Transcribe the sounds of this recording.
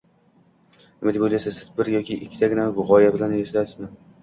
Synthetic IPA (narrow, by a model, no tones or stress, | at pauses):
nɪmad̪ɪbojlajsasɪzbɪɾjɒkʲɪʔɪkʲʰːɪ̥t̪ʰaɡʲɪnavʊʁɒjabɪlanjeʃlat̪ɪzman